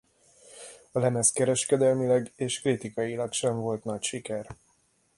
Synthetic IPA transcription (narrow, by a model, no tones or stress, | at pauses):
ɒlɛmɛskɛɾɛʃkɛd̪ɛlmilɛɡeːʃkrit̪ikɒjilɒkʃɛɱvo̞lt̪nɒcʃikɛr